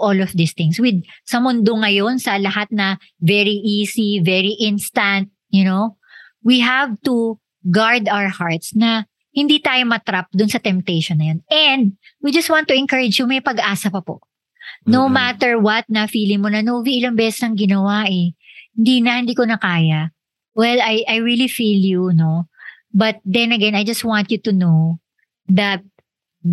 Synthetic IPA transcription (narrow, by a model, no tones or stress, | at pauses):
ʔolɔfd̪ist̪ɪ̃ŋswɪd̪̚sɐmʊnd̪oŋɐjo̞nsɐlɐhat̪̚nɐ | vɛɹiʔiːsivɛɹiʔɪ̃nst̪ɐnt̪̚jʊnow | wiɦavt̪u | ɡaɹd̪awə˞haɹt̪snɐ | hɪnd̪it̪aːjomɐt̪ɾap̚d̪ʊnsɐt̪ɛmp̚t̪ɛjʃɔnːɐjonɛnd̪̚ | wid͡ʒɐst̪̚wãnt̪ːʊɪnkɐɹɪd͡ʒjumɐjpɐɡʔaːsɐpɐpo̰ʔ | nowmat̪ɛɹwɐt̪̚nɐfiːlɪŋmonɐnoviʔɪlɐŋbɛːsɛsnɐŋɡɪnɐwaʔɛhɪnd̪iːnɐhɪ̃nd̪iːkonɐkaːjɐ | wɛlɐjʔɐjɹilifiljuno̞ | bɐt̪̚d̪ɛ̃nɐɡɛnɐjd͡ʒɐst̪̚wãnt̪jut̪unow | ðɐt̪̚